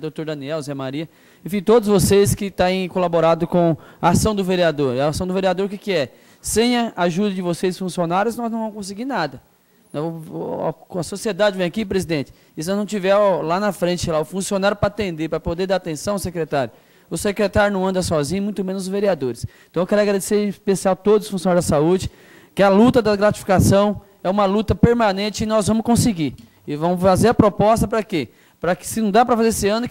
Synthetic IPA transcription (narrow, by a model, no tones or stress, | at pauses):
d̪ot̪oɾd̪ɐniɛwzɛmaɾiɐ | ẽfĩt̪od̪ʊzvoseskɪt̪ãẽkolaboɾad̪ʊkõɐasɐ̃w̃d̪ʊveɾiad̪oɾasɐ̃w̃d̪ʊveɾiad̪oɾkɪkɪɛ | sẽj̃ɐaʒud̪ɐd͡ʒɪvosesfũsionaɾjʊznɔznɐ̃w̃ṽmʊskõs̬ɪɡiɾnad̪ɐ | nɛ̰̃ | kɐsosied̪ad͡ʒɪvẽj̃akip̬ɾezid̪ẽnt͡ʃɪ̥ | ɪsnɔznɐ̃w̃t͡ʃivɛɾlanɐfɾẽnt͡ʃɪselaʊfũsionaɾjʊpɾat̪ẽnd̪eɾpɾɐpod̪eɾd̪aɾat̪ẽsɐ̃w̃aʊsekɾet̪aɾjʊ | ʊsekɾet̪aɾjʊnɐ̃w̃ɐ̃nd̪ɐsɔzĩɲɐmũj̃t̪ʊmẽnʊzveɾiad̪oɾɪst̪ɐ̃ewkɛɾaɡɾad̪eseɾispesiawt̪od̪ʊzʊ̥fũsionaɾzd̪ɐsaud͡ʒɪ | kɪɐlut̪ɐd̪ɐɡɾat͡ʃi̥fi̥kasɐ̃w̃ | ɛũmɐlut̪ɐpeɾmɐ̃nẽnt͡ʃɪɪnɔzvɐ̃mʊskõsɪɡi | ɪvɐ̃mʊfazeɾɐpɾopɔst̪ɐpɾɐke | pɾɐkɪ̥sɪnɐ̃w̃d̪apɾɐfazeesɪɐ̃nʊ